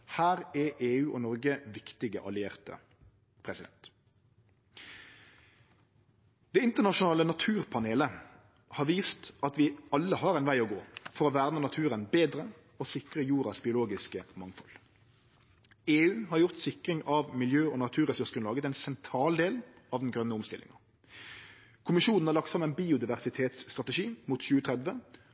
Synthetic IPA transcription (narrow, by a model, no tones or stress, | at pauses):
hæːɾɛeːʉːʔɔnɔʁɡəʋɪkt̪ɪɡəʔɑ̰lɪeːʁt̪ə̰ | pʰʁɛsɪd̪ɛ̰nt̪ | d̪̥ɛːɪnt̪əʁnɑʃʊnɑːlənɑt̪ʰʉːʁpʰɑneːlə | hɑːʁʋiːst̪ɑt̪ʋɪɑlːəhɑːʁɛnʋæɪɔɡoːfɔɾɔʋæːʁnənɑt̪ʰʉːʁənbeːd̪ʁə | osɪkʁəjuːɾɑsbɪʊloːɡɪskəmɑŋfɔ̰l | eːʉːhɑʁjʊʁt̪sɪkʁɪŋɑʋmɪljøːɔːnɑt̪ʰʉːʁɛsʉʁʂənlɑːɡət̪ɛɪnsɛnt̪ʰɾɑːld̪eːlɑʋd̪n̩ɡʁœnəʊmst̪ɪlɪ̰ŋɑ | kʰʊmɪʃuːnn̩hɑʁlɑk̚t̪sɑmæɪnbiːʊd̪ɪʋæʁsɪt̪ʰeːt̪st̪ʁɑt̪əʃiːmuːt̪çʉːət̪ʰʁɛd̪ʋə